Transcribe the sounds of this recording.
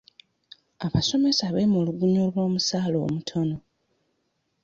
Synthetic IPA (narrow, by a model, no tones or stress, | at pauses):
aβaso̞me̞saːβemoluɡuɲolβo̞ːmusaːlo̰ːmutʰono